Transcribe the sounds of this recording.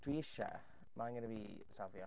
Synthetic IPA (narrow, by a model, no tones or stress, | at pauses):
d̥wiɪʃɛ̰ | manɡənəbiː | savjɔ